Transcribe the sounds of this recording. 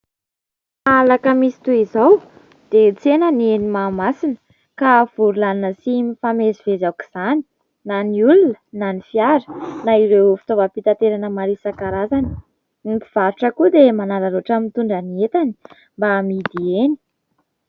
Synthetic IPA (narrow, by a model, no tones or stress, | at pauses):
alakəmisi̥t̪uizaw | d̪̥et͡senənenimamasinə̥ | kav̥uɾulannəsimifamezivezawki̥z̥ani̥ | naniulunənanifiaɾə̥naiɾewfi̥t̪ovəpit̪at̪eɾanəmaɾisakaɾazani̥ | ifiv̥aɾuʈ͡ʂəkud̪emanalaɾoʈ͡ʂəmit̪uɳɖ͡ʐaniet̪ani̥ | mbamid̪ieni̥